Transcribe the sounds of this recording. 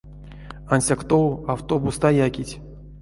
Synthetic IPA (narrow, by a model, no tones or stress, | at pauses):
anʲsʲakt̪owawt̪obust̪ajakʲitʲ